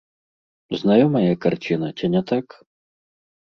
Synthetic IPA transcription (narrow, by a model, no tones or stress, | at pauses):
znajɔmɐjɛkart͡ɕʲinɐt͡sʲinʲɛt̪ak